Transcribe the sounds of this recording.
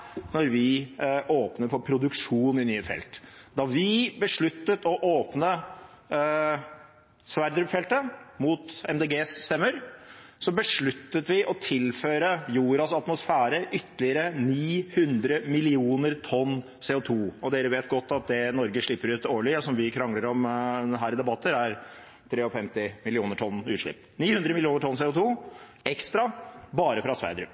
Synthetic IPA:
nɔɾʋɪʔoːpnəɾfɔpʰɾʊd̪ʉkʂuːnɪnyːəfɛ̰lt̪d̪ɑʋɪbəʂɭʉt̪ːət̪ɔʔoːpnə | sʋæɾd̪ɾʉpfɛlt̪əmut̪ɛmd̪eːɡeːsːt̪ɛmːəɾsɔbəʂɭʉt̪ːət̪ʋɪʔɔt̪ʰɪlføːɾəjuːɾɑsɑt̪mʊsfæːɾəʔʏt̪ːəlɪəɾəniːhʉnd̪ɾəmɪlɪuːnəɾt̪ʰɔnː | seːʊt̪ʰuːɔd̪eːɾəʋeːt̪̚ɡɔt̪ːɑt̪̚d̪ɛnɔɾɡəʂɭɪpːəɾʉːt̪oːɭɪɔsɔmʋɪkʰɾɑŋləɾɔmɦæːɾɪd̪ɛbɑt̪ʰːəɾæɾ | t̪ʰɾeːɔfɛmt̪ɪmɪlɪuːnəʈʰɔnːʉːt̪ʂɭɪ̰pː | niːhʉnd̪ɾəmɪlɪuːnəʈʰɔnseːʊt̪ʰuː | ɛkst̪ɾɑbɑːɾəfɾɑsʋæ̰ɪd̪ɾʉp

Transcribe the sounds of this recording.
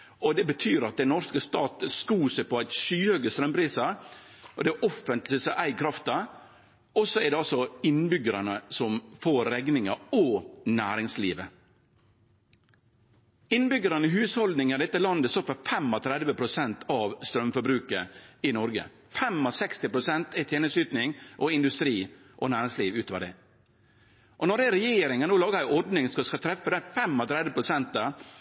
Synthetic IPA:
ɔd̪ɛbət̪ʰyːɾɑt̪̚d̪ɛnɔɾskəst̪ɑːt̪əskuːsəpɔæɪt̪ʃyːhøːɡəst̪ɾœmpʰɾiːsəɾ | ɔd̪ɛʔɔfːənt̪lɪsɑʔæɪkʰɾɑft̪ɑ | ɔsːɔɛɾɖ̪ɛɑlsɔɪnbʏɡəɾɑnəsɔmfoːɾɾɛɡnɪŋɑɔnæ̰ːɾɪŋslḭːʋə | ɪnbʏɡəɾɑnəɦʉːshɔld̪nɪŋæd̪ɛt̪ːəlɑnd̪əst̪ɔpːəfɛmɔt̪ʰɾɛd̪ʋəpʰɾʊsɛnt̪ʰɑʋst̪ɾœmfɔɾbɾʉːkəɪnɔɾɡə̰ | fɛmɔsɛkst̪ɪpʰɾʊsɛnt̪ɪt̪ʰeːnəsyːt̪nɪŋʔɔɪnd̪ʉst̪ɾiː | ʔɔnæːɾɪŋsliːʋʉːt̪oːʋɑd̪ɛ̰ | ʔɔnɔɖɛɾɛjeːɾɪŋɑnoːlɑːɡəhæɪɔɾɖnɪŋskɑskɑt̪ʰɾɛfːəd̪ɛfɛmɔt̪ʰɾɛd̪ʋəpʰɾʊsɛnt̪̚ɑ

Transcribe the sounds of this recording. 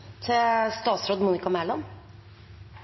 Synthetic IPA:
t̪ʰɪst̪ɑːsɾoːd̪muːnɪkɑmæːlɑm

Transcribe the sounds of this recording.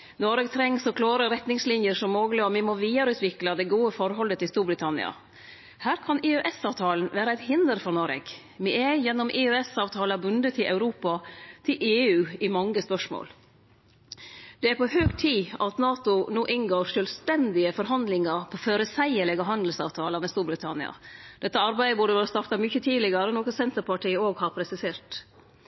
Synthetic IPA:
nɔɾeːɡt̪ʰɾɛŋsɔkʰlɑːɾəɾɛt̪nɪŋslɪnjəʂɔmːoːɡləɔʋɪmoʋiːɑɾʉːt̪ʰʋɪklɑd̪ɛɡuːəfɔɾɦɔlːət̪ʰɪlst̪uːɾbɾɪt̪ʰɑnɪ̰ɑ̰ | hæːɾkʰɑneøʔɛsɑːʋt̪ʰɑːln̩ʋæːɾəæɪt̪hɪnd̪əɾfɔɾnɔɾḛːɡ̥ | mɪɛjɛnːɔmʔeːøɛsɑːʋt̪ʰɑːlɑbʉnd̪ət̪ʰɪlʔæʉɾuːpɑt̪ʰɪlʔeːʉːɪmɑŋːəspœʂmo̰ːl | d̪̥ɛæɾpʰɔhøːɡt̪ʰiːʔɑt̪nɑːt̪ʊnoːʔɪnɡoːɾʂœːlst̪ɛnd̪ɪəfɔɾɦɑnd̪lɪŋɑɾpʰoføɾəsæɪəɭɛɡɑɦɑnd̪l̩sɑ̰ːʋt̪ʰɑːləmɛst̪uːɾbɾɪt̪ʰɑnɪ̰ɑ̰d̪ɛt̪ːəɑɾbæɪd̪əbʉɖəʋæːɾəst̪ɑɾt̪ɑmʏçət̪ʰiːlɪɡəɾənoːkəsɛnt̪əɾpʰɑʈʰiːəoːɡhɑɾpʰɾɛsɪseːɾʈ

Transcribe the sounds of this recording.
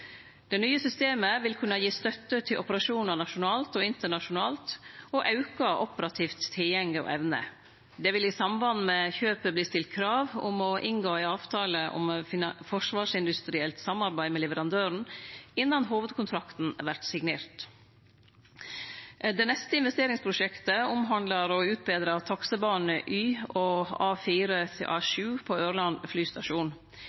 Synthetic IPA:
d̪̥ɛnyːəsʏst̪eːməʋɪlkʰʉnɑjiːst̪œt̪ːət̪ʰɪlʔɔpəɾɑʃuːnəɳɑʂʊnɑːlt̪ɔːɪnt̪əɳɑʂʊnɑːlt̪ɔʔɑʉkɑʔɔpəɾɑt̪ʰiːft̪ʰːɪljɛŋːəɔ̰ʔɛʋnə̰ | d̪ɛʋɪlɪsɑmbɑn̩mɛçøːpəbliːst̪ɪlt̪̚kʰɾɑːʋʊmɔʔɪŋɡoːɪɑːʋt̪ʰɑːləʔɔ̰mfɔʂʋɑːʂɪnd̪ʉst̪ɾɪɛlt̪sɑmɑɾbæɪmɛlɛʋəɾɑnd̪øːɾɳ̩ɪnːɑnɦuːʋəd̪kʰʊnt̪ʰɾɑkt̪n̩æʋæʈsɪɡneːɾt̪ | d̪ɛnɛst̪əɪnʋɛst̪eːɾɪŋspʰɾʊʂɛkt̪əʊmɦɑnd̪lɑɾɔʉːt̪̚beːd̪ɾɑt̪ʰɑksəbɑːnəʔyːɔɑːfiːɾət̪ʰɪʔɑːʃʉːpʰɔøːɾlɑnflyːst̪ɑʃuːn

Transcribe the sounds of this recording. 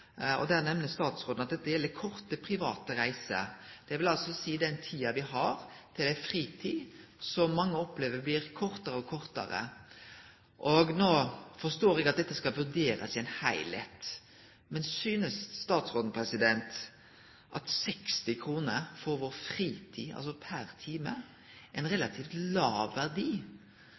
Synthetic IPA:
ɔ̰d̪æːʁnɛmnəst̪ɑːt̪sʁoːd̪n̩ɑt̪̚d̪ɛt̪ːəjɛld̪əkʰɔʁt̪əpʰɾɪʋɑːt̪əɾæɪsə̰d̪̥ɛʋɪlɑlsɔsiːd̪ɛnt̪ʰiːɑʋɪɦɑɾt̪ʰɪlæɪfʁiːt̪ʰiːsɔmːɑŋːəɔpːleːʋəbliːɾkʰɔʁt̪əɾəɔkʰɔʁt̪ə̰ɾə̰ | ʔɔɡnoːfɔst̪oːɾɛɡɑt̪̚d̪ɛt̪ːəskɑlʋʉɾd̪eːɾə̰sɪɛɪnhæɪlḛt̪ | mɛnsyːnəsːt̪ɑːt̪sʁoːd̪n̩pʰɾɛsɪd̪ɛnt̪ | ʔɑ̰t̪sɛkst̪ɪkʰɾuːnəɾfɔɾʋoːɾfɾiːt̪ʰiːɑ̰ls̬ɔpʰæɾt̪ʰiːmə | ʔɛɪnʁɛlɑt̪ʰiːft̪lɑːʋːæʁd̪iː

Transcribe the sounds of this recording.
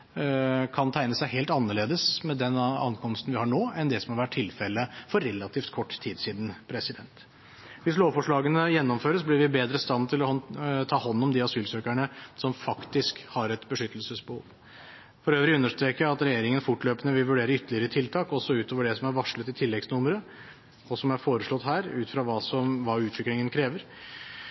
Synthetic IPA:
kʰɑnt̪ʰæɪnəsæɪɦeːlt̪ɑnːəɭeːd̪əsmɛd̪ɛnɑ̰nkʰɔmst̪ən̩ʋɪhɑɳoːɛnd̪ɛsɔmhɑɾʋæʈʰːɪlfɛlːəfɔɾːɛlːɑt̪ʰiːft̪kʰɔʈːt̪ʰiːd̪siːd̪n̩pʰɾɛsɪd̪ɛnt̪ | ʋɪsloːʋfɔʂɭɑːɡənəjɛnːɔmføːɾəsblɪɾʋɪbeːd̪ɾəst̪ɑnt̪ʰɪlɔt̪ʰɑːhɔnːɔmd̪ɪːɑsyːlsøːkæɳəsɔmfɑkt̪ɪskhɑɾɛt̪bəʂʏt̪ːəlsəsbəhṵːʋ | fɔɾøːʋɾɪʉnːəʂʈ̪ɾeːkəjæɑt̪ɾɛjeːɾɪŋənfʊʈløːpənəʋɪlʋʉɖeːɾəʏt̪ːəlɪəɾət̪ʰɪlt̪ʰɑːkɔsːɔʉːt̪oːʋəɖɛsɔmæɾʋɑʂlət̪ɪt̪ʰɪlːɛɡsnʊməɾə | ɔsɔmæɾfoːɾəʂɭɔt̪ːɦæːɾʉːt̪fɾɑːʋɑːsɔmʋɑʉːt̪ʰʋɪklɪŋənkʰɾeːʋəɾ

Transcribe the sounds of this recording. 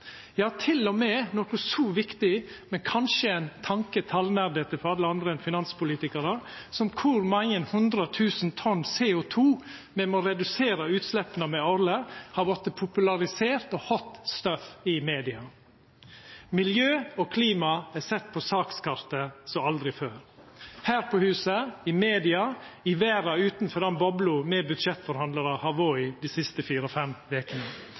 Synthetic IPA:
jɑːt̪ʰɪlɔmɛːnɔkʊsɔːʋɪkt̪ɪmɛnkʰɑnʃəɛɪnt̪ʰɑŋkət̪ʰɑlnæɾd̪eːt̪əfɔɾɑlːəɑnd̪ɾəɛnfɪnɑnspʊliːt̪ɪkəɾəɾsɔmkʰʊɾmɑŋənhʉnd̪ɾət̪ʰʉːsnt̪ʰɔnːseɔt̪ʰuːmɛmoːɾɛd̪ʉseːɾəʉːt̪slɛpːənəmɛɔɾləɾhɑɾʋɔt̪əpʰʊpʉlɑɾɪseːɾt̪ɔhɔt̪ːst̪œfɪmeːd̪ɪɑ | mɪljøːoːkʰliːmɑæsɛt̪ːpʰɔsɑːkskʰɑɾt̪əsɔɑld̪ɾɪføːɾhæːɾpʰɔhʉːsəɪmeːd̪ɪɑɪʋæːɾɑʉːt̪nfɔɾd̪ɛnbɔblʊmɛbʉd̪ʃɛt̪ːfɔɾhɑnd̪əɾəhɑʋɔːʏd̪iːsɪst̪əfiːɾɔfɛmʋeːkənə

